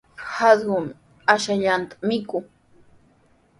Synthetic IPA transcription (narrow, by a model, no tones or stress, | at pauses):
hasɢʊm | aʃaʎant̪ḁmɪkʊ